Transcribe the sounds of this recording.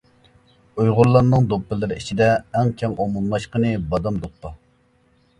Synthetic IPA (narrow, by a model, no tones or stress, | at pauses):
ujʁʊɾlːˠɑnːɨŋd̪opːɪlɪɾɪit͡ʃʰid̪ɛːŋkʲʰɛŋomumlˠɑʃqənɨbɑd̪ɑmd̪opːɑ